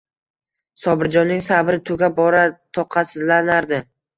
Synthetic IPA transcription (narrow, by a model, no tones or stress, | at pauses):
sɒbɪɾd͡ʒɒnːɪŋsabɾɪt̪ʰʊɡʲabɒɾat̪ʰɒqʰɑsɪzlanaɾd̪ɪ